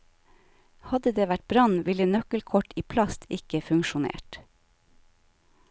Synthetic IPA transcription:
hɑd̪əd̪eːʋæʈ̚bɾɑnʋɪlənœkəlkʰɔʈiːpʰlɑst̪ʰɪkəfʉŋʃʊnḛːʈ

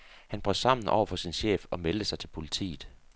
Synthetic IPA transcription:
hænb̥ʁœd̥ˠsɑ̈m̰n̩ʔɒ̰ʊ̰ɐfɒ̽sinɕḛːfɒ̽meld̥əsɑ̈ɪt͡sʰe̝lpʰo̝lit͡sʰḭːð̩ˠ

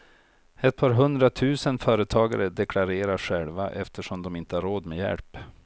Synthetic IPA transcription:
ɛt̪̚pʰɑːɾɦɵnd̪ɾat̪ʰʉ̟ːsənfœːɾət̪ʰɑːɡa̰ɾəd̪ɛkʰlaɾeːɾaɧɛlvaʔɛft̪ʰəʂɔmd̪ɔmɪnt̪əhaɾoːd̪mɛjɛ̰lp

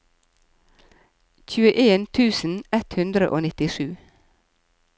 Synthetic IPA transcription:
çʉːəʔeːnt̪ʰʉːsn̩ɛt̪hʉnd̪ɾəʔo̰ːnɪt̪ɪʃʉː

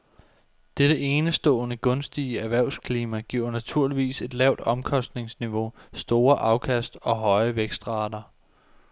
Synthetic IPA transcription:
d̥eɾ̥əʔeːnəsd̥ɔ̰̽ːnəɡ̥ɔ̽nsd̥iəæʋæɐ̰ʊskʰliːmæɡ̥iʊ̰næt͡sʰuɐ̰liʋḭːse̝d̥lɛʊd̥ɒ̽mkʰɒ̽sd̥ne̝ŋsniʋo̝sd̥o̝ːɐʔɑ̈ʊkʰæsd̥ɒ̽ɦɒ̽ɪəʋeɡ̥sd̥ʁɑ̈ːd̥ɐ

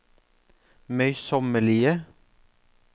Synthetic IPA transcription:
mœʏsɔməɭiːə

